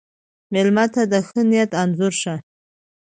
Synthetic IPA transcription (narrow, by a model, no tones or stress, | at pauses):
melmat̪ʰad̪axənijat̪ʰanzʊɾʂa